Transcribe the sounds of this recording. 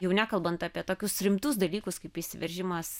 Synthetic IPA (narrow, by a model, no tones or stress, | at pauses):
jɛʊnʲæːkɐlˠbɐnt̪ɑːpʲiɛt̪oːkʲʊsɾʲɪmt̪ʊsd̪ɐlʲiːkʊskɐɪpɪʃʲsʲɪʋʲɛɾʲʒʲɪmɐs